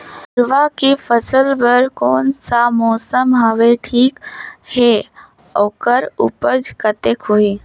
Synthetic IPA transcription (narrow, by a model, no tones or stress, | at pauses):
pɾʋakifʰəsəlbəɾkoːnsamɔːsəmɦəʋeʈʰiːkhe | oːkəɾṵpəd͡ʒkət̪ekʰoːi